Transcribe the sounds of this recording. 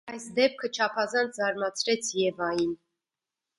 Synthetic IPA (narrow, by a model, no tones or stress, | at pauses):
ɑjsd̪ɛp̚kʰət͡ʃʰɑpʰɑzɑnt͡sʰzɑɾmɑt͡sʰɾɛt͡sʰjɛvɑjin